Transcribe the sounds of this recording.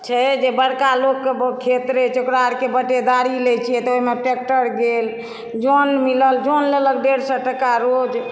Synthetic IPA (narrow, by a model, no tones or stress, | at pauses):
t͡ʃʰɛd͡ʒebəɽkalokːebkʰet̪ɾet͡ʃokɾaɾkebəʈed̪aɾilet͡ʃʰijɛt̪oimeʈek̚ʈəɾɡel | d͡ʒonmiləld͡ʒonlelək̚ɖeɽsəʈəkaɾod͡ʒ